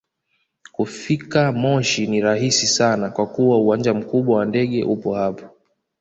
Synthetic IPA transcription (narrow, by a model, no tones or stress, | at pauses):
kufikamɔʃiniɾaɦisisanakwakuwauwaɲd͡ʒam̩kuɓwawandɛɠɛʔupɔhapḁ